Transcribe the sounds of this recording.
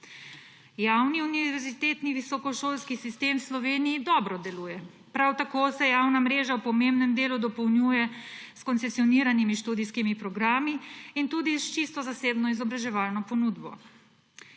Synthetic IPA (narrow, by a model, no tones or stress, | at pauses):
jawniuniʋɛʋɛɾzit̪eːt̪niʋisɔkɔʃoːlskisist̪emwslɔʋeːnijːd̪ɔːbɾɔd̪ɛluːjɛ | pɾawt̪akoːsɛjawnamɾeːʒawpɔmembnɛmd̪eːlud̪ɔpɔwnjuːjɛ | skɔnt̪sɛsiɔniɾanimiʃt̪uːd̪iskimipɾɔɡɾaːmiːnt̪ud̪ist͡ʃist̪ɔzaseːbnɔizɔbɾaʒɛʋalnɔpɔnuːd̪bɔ̰